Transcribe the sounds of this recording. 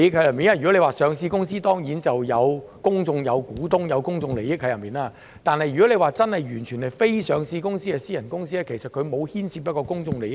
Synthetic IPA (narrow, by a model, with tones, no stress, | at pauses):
jɪ˥k̚ʰɐ˧jɐ˨˩miː˨na˥jy˨kɔ˨˥le˧waː˨˩sœː˨˧ŋsiː˧kʊ˥ŋsiː˥t̪ɔː˥ŋjiː˨˥nt͡sɐ˨wjɐ˨˧wkʊ˥ŋt͡sʊ˧ŋjɐ˨˧wkuː˨˥t̪ʊ˥ŋjɐ˨˧wkʊ˥ŋt͡sʊ˧ŋle˨˩jɪ˥k̚ʰɐ˧jɐ˨˩miː˨naː˧ | t̪aː˨nhɐ˨jɥyː˨˩kɔ˨˥le˨˧jwaː˨˩t͡sɐ˥nhɐ˨˩jɥyː˨˩nt͡ʃʰy˨˩nɐ˨jfe˥jsœː˨˧ŋsiː˧kʊ˥ŋsiː˥kɛː˧siː˥jɐ˨˩nkʊ˥ŋsiː˥lɛː˥kʰe˨˩jsɐ˨t̚kʰɵ˨˧ɥmo˨˧whiː˥nsiː˧pɐ˥kɔː˧kʊ˥ŋt͡sʊ˧ŋle˨˩jɪ˥